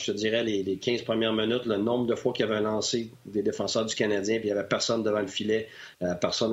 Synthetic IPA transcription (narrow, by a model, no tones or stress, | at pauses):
əd͡ziːʁɛlelekʲʰɛ̃z̥pʁəmjɛʁmənʏt̪lənɔ̃bʁd̪əfwakʲiavɛlɑ̃ːse | d̪ed̪efɑ̃sœːʁd̪d͡zykanad͡zʲjɛ̃pijavɛpɛʁsɔnd̪əvɑ̃ləfilɛ | pɛʁsɔn